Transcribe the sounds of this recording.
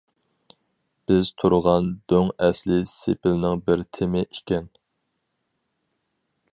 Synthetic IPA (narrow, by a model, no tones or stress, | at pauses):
b̥ɪz̥t̪ʰuɾʁɑnd̪øŋɛslɪsepʰɪlnɪŋbɪɾt̪ʰɪmɪʔikʲɛn